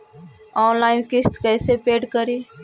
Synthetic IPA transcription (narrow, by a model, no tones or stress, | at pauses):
ɔːnlaːɪnkɪst̪kɛːsepeːɖkəɾiː